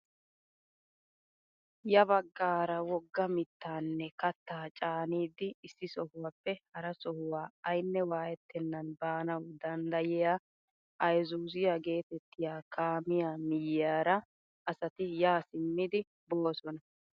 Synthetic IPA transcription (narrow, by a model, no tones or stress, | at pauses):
jɐbɐɡːaːɾɐwɔɡːɐmɪt̪ːaːnːɛkɐt̪ːaːt͡ʃʼaːniːd̪ɪːsːɪsɔhʊwaːpːɛhɐɾɐsɔhʊwaːɐjnːɛwaːjɛt̪ːɛnːɐnbaːnɐwd̪ɐnd̪ɐjɪjaː | ʔɐjzuːzɪjaɡe̞ːt̪ɛt̪ːɪjaːkʰaːmɪjaːmɪjɪjaːɾɐ | ɐsɐt̪ɪjaːsɪmːɪd̪ɪ | bo̞ːsɔnɐ